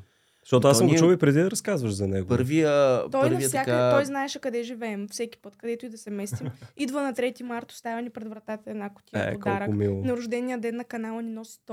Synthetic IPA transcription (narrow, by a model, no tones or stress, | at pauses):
ʃt̪ɔt̪ʊasəmɡʊt͡ʃuvipɾɛd̪id̪ɐɾɐskazvəʃzɐnɛɡopəɾviət̪ɔjɾɐisjakat̪ɔjznaɛʃɛkɐd̪ɛʒivɛɛmfsɛkʲi̥pɤt̪kɐd̪ɛt̪ʊid̪ɐsɛmɛsimid̪vənɐt̪ɾɛt̪imaɾt̪ʊ̥st̪avʲɐnipɾɛd̪vɾɐt̪at̪ɐɛd̪nakʊ̥t̪ʲijɐ̰odk̪ɔalɾəkʊmilˠonɐɾʊʒd̪ɛnijəd̪ɛnːɐkɐnalˠɐninɔsi̥t̪